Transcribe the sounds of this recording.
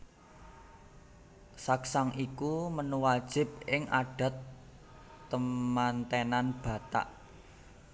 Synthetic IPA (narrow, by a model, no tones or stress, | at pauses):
saksaŋʔikumənuwad̥ʒ̥ɪ̤b̚ɪŋʔa̰ɖ̥a̤t̪ː | əmant̪enanb̥ä̤t̪a̰ʔ